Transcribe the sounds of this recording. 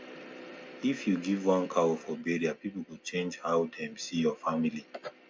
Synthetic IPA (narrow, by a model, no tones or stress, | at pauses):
ifjuɡivwãnkʰawofɔbeɹiapipuɡut͡ʃẽnd͡ʒhawtʰãmsijɔfamili